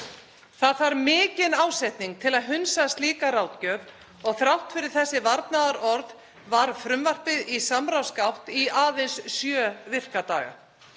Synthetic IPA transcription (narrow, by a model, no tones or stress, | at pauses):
θaðθvaɾmɪːcɪnaːwsɛjht̪niŋk̚t̪ʰɪlaðɦʏnsast̪liːkaɾawt̪cœːv | ɔɣθɾawht̪fɪɾɪɾ̥θɛsːɪvaɾt̪naðaɾʔɔɾð | vaɾfɾʏmvar̥pɪðisamɾawskawht̪iaːðɪnssjœːvɪr̥kat̪aːɣa̰